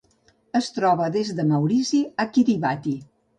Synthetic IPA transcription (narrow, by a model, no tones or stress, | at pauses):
əst̪ɾɔβəðezðəməwɾiziakiɾiβat̪i